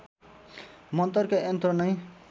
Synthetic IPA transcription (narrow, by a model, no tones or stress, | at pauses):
mʌnt̪ʌrkaent̪rʌnʌj